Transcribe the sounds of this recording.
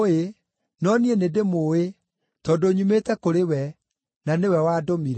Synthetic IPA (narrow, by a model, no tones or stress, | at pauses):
e | nɔnienedemoe | tɔdoɲumetɛkoɾewɛ | nanewɛwaːdomiɾɛ